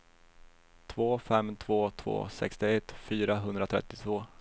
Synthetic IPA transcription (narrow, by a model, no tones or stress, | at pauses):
t̪ʰvoːfɛmːt̪ʰvoːt̪ʰv̥o̰ːsɛ̰kst̪ɪɛt̪ːfyːɾaɦɵnd̪ɾat̪ʰɾɛ̰t̪ːɪt̪ʰvoː